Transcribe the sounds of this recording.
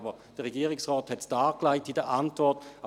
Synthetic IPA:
bəd̥əʁeɡiːəʁɪksʁɔːthɛtd̥aːklaɪtidəʔantv̥ɔɐta

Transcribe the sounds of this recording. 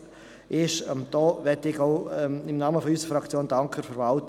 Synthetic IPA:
ʔɪʃəmd̪̥ɔːʋɛtɪɡɔʊɪmnɑːməfɔysəfɾɑkt͡sjoːndɑŋkʰəɾfəɾvɑlt

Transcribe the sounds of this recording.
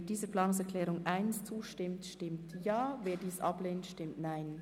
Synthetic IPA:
d̥iːzəplaːnʊŋsɛʁkʰlɛːʁʊŋʔaɪnst͡suːʃtɪmtʃtɪmtjaːveːdiːsʔɑpleːntʃtɪmtnaɪn

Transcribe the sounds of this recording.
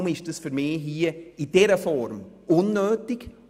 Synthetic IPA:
mɪʃd̥əsfyɾmiːɦiəid̥ɛɾəfɔɾmʊnːøːtɪɡ

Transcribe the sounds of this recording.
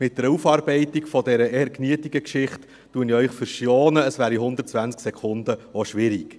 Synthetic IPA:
mɪt̚d̥əɾufɑːɾbɛɪtikfɔdɛɾəɛːɾkniətiɡəkʃɪχtː | uəniœʏχfəɾʃjɔːnəːsʋæːɾiɦʊnd̪əɾtt͡sʋænt͡sksɛkʰʊnd̪əoʃʋɪɾik

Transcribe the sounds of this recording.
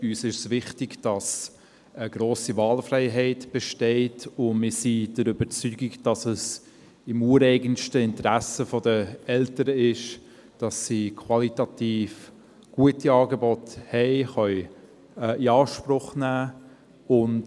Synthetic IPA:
yːsɪʃsvɪχtɪɡd̥ɑs | əɡ̥ɾoːsivɑːlfrɛɪɦɛɪtb̥ɛʃtɛɪtʊnmɪsid̥əɾʏbət͡syːɡɪɡd̥ɑsəs | ɪmuːəɾɛɪɡənʃtəɪntɾæsəfodəɛltəɾəɪʃ | d̥ɑsːikʰwɑlitɑtiːf | ɡ̥uətiɑːɡebɔthɛɪχœʏ | iɑːʃpɾʊχnæː | ʊnt

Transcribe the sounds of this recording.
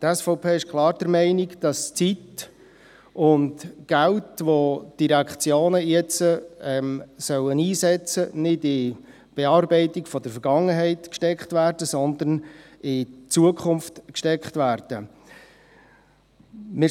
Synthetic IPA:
t̪æsfɔʊpʰeːɪʃkʰlˠɑːɾd̥əɾmɛɪnikd̥ɑst͡sit | ʊndɡ̥æʊtʋod̥iɾækχt͡sjoːnəjɛt͡səɛmsœwəniːsɛt͡sənɪdɪ | b̥ɛɑːrbɛɪtɪkfɔdəɾfəɾɡɑŋəɦɛɪtkʃtɛkχtvæːrd̥əsɔnd̪ən | ɪt͡suəkʰχʊmftkʃtɛkχtvæːɾd̥ə | mɪ

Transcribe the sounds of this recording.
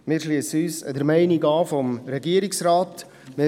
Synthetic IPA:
mɪːɾʃliəsyːsədəɾmɛɪniɡɑːfɔmɾɛɡiəɾiksɾɑːt | mɪ

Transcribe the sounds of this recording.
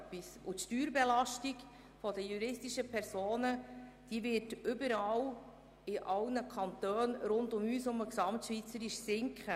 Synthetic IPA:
pːisut̪ʃtyːɾbɛlɑʃtik | fɔdəjuɾɪstiʃəpʰɛɾsoːnəd̥iːʋɪtʏbəɾɑw | ɪʔɑlnəkʰɑnt̪øːnɾʊndʊmyːsʊməksɑmtʃʋit͡səɾiʃsɪŋkχə

